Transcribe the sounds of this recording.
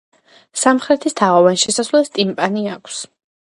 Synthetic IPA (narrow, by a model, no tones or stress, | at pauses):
samχɾɛt̪ʰist̪ʰaʁɔvanʃɛsasvlɛst̪ʼimpʼaniakʷʰs